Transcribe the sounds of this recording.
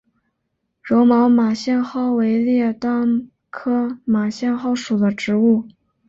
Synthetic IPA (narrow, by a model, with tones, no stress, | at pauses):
ɻo˧˥ʊmɑ˧˥ʊma˨˩ɕjɛ˥˧nxɑ˥ʊwe˧˥ɪljɛ˥˧t̪a˥˩ŋ | kʰɤ˥ma˨˩ɕjɛ˥˧nxɑ˥ʊʂu˨˩d̪ə˦ʈ͡ʂɻ̩˧˥u˥˩